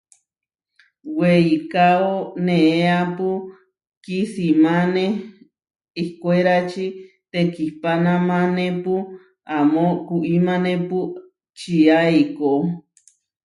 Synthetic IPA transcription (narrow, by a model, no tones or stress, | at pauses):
weikaonẽeapu | kisimane | ihkweɾat͡ʃi | t̪ekihpanãmãnẽpu | amokuʔimanẽpu | t͡ʃiaiko